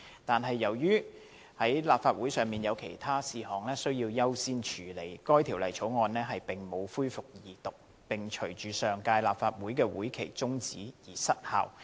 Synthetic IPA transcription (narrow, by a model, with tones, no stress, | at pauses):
t̪aː˨nɦɐ˨jːɐ˨˩wjyː˥ | hɐ˨˥jlaː˨p̚faː˧t̚wuː˨˥jsœː˨˩ŋmiː˨njɐ˨˧wkʰḛ˨˩jt̪ʰaː˥siː˨hɔː˨ŋlɛː˥sɵ˥ɥjiː˧wjɐ˥wsiː˥nt͡ʃʰyː˨le˨˩jkɔː˥jt̪ʰi˨˩wlɐ˨jt͡ʃʰo˨˥wŋɔː˧nlɛː˥ɦɐ˨jpɪ˨˩ŋmo˨˧wfuː˥jfʊ˨k̚jiː˨t̪ʊ˨k̚ | pɪ˨˩ŋt͡ʃʰɵ˨˩ɥt͡ʃyː˨sœː˨ŋkaː˧jlaː˨p̚faː˧t̚wuː˨˥jkɛː˧wuː˨˥jkʰe˨˩jt͡sʊ˥ŋt͡siː˨˥jiː˨˩sɐ˥t̚ha̰ː˨˩w